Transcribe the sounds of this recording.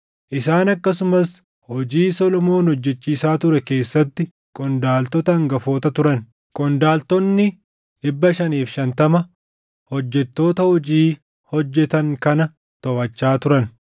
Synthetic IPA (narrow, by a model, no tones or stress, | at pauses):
ʔɪsaːnɐkːɐsʊmɐs | hɔd͡ʒiːsɔlɔmo̞ːnhɔd͡ʒːɛt͡ʃːiːsaːt̪ʊɾɛke̞ːsːɐt̪ːɪ | kʼɔnd̪aːlt̪ɔt̪ɐːŋɡɐfoːt̪ɐt̪ʊɾɐn | kʼɔnd̪aːlt̪ɔnːɪ | ɪbːɐʃɐniːfʃɐnt̪ɐmɐ | hɔd͡ʒːɛt̪ːo̞ːt̪ɐhɔd͡ʒiː | hɔd͡ʒːɛt̪ɐŋkɐnɐ | t̪ɔwɐt͡ʃːaːt̪ʊɾɐn